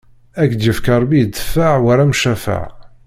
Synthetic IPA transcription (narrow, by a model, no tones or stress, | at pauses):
ækd̪jəfkɑɾˤbid̪ːəfːaʕwæɾæmʃæfa̰ʕ